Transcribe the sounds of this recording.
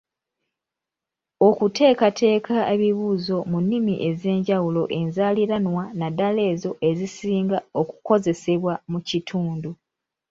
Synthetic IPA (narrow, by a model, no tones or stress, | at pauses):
o̞kute̞ːkatʰe̞ːkʰaeβiβuːzo̞munːimḭʔe̞ze̞ːɲɟawulo̞ʔe̞nzaliɾanwanadale̞ːzo̞ʔe̞zisiːŋɡao̞ku̥ko̞ze̞se̞βwamucitʰuːndu